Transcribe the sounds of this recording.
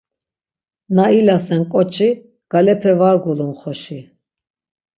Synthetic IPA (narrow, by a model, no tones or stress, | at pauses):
nailasɛnkʼɔt͡ʃʰʼi | ɡ̥alɛpʰɛvaɾɡulunχɔʃi